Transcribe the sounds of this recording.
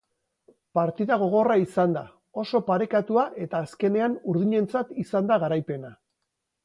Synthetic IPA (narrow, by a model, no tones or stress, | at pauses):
paɾt̪iðaɣ̞o̞ɣ̞o̞raisand̪a | o̞so̞paɾe̞kat̪uaʔe̞t̪aːske̞ne̞anuɾðiɲe̞nt͡sat̪isand̪aɣ̞aɾajpe̞na